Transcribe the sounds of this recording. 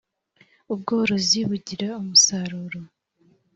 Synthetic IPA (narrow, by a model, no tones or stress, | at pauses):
ubɡo̞ːɾo̞ziβuɟiɾaumusaɾuɾo